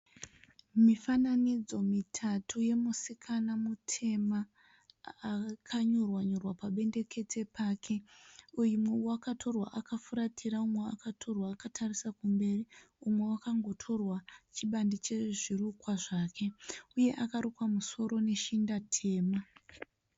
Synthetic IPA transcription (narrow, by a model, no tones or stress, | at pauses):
mifananid͡zo̞mitʰatʰuje̞musikʰanamutʰe̞maː | kʰaɲorwaɲorwapaɓe̞nde̞kʰe̞t͡se̞pʰaːkʰe̞ujumwewakatʰo̞rwa̰ʔakafuɾatʰiɾaumwea̰katʰo̞rwaːkatʰarisakumbe̞ri | umwe̞wakaŋɡo̞tʰo̞rwat͡ʃiɓandit͡ʃe̞ʐirukwaʐaːkʰe̞uje̞ʔakaɾukwamuso̞ɾo̞ne̞ʃindatʰe̞ːma